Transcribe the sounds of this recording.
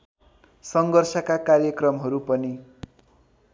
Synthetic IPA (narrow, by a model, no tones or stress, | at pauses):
sʌŋɡʌrsʌkakarjʌkrʌmɦʌɾupʌni